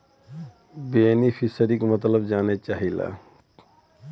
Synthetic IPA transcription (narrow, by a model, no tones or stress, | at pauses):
benipʰisəɾikmət̪ləbd͡ʒanet͡ʃaɦila̰